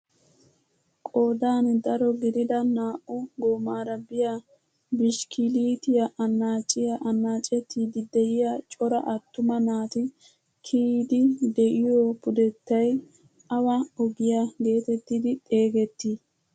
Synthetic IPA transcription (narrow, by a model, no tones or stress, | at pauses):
kʼoːd̪aːnd̪ɐɾɔɡɪd̪ɪd̪ɐnaːʔʊɡoːmaːɾɐbɪja | bɪʃkʰɪliːt̪ɪjɐʔɐnːaːt͡ʃʼɪjɐʔɐnːaːt͡ʃʼɛt̪ʰːid̪ɪd̪ɛjɪjat͡ʃʼɔɾɐ̰ʔɐt̪ːʊmɐnaːt̪ɪ | kʰiːd̪ɪd̪ɛʔɪjopʊd̪ɛt̪ːɐj | ʔɐwɐɔbɪjaɡe̞ːt̪ɛt̪ːid̪ɪt̪ʼe̞ːɡɛt̪ːi